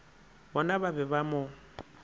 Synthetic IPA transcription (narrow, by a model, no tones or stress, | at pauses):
bɔnababɛbamʊ